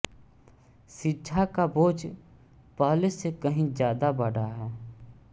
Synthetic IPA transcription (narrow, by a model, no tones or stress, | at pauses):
ʃɪʃʰakaboːd͡ʒ | paːlesekəɦĩzjaːd̪abɐɽaɦɛː